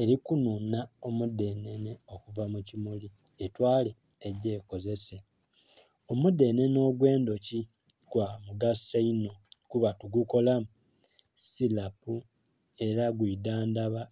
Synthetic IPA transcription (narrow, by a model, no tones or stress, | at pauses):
e̞ɾikununao̞mude̞neneo̞kuvamucimulietwaːle̞ː | ɟeːko̞ze̞se̞ | o̞mude̞ne̞no̞ːɡwe̞ːndo̞ci | ɡ̥wamuɡasaino̞kuβatuɡuko̞lam | silapu | e̞ɾaɡwiːdaːndaβa